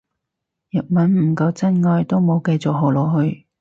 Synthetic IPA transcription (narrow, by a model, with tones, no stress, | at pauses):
jɐ˨˩t̚mɐ˨˥nm̩˨˩kɐ˧wt͡sɐ˥nŋɔː˧jt̪o˥wmo˨˧wkɐ˧jt͡sʊ˨k̚ɦo˨˩lɔː˨˩ɦɵ˧ɥ